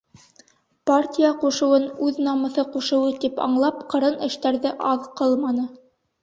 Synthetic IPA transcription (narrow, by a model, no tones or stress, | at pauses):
partʲijaquʃɤ̆wɤnʉðnɑmɤ̆θɤquʃɤ̆wɤt̪ipɑ̰ɴlˠɑpqɤ̆ɾɤnɘ̆ʃt̪æɾðɘʔɑðqɤlˠmɑnɤ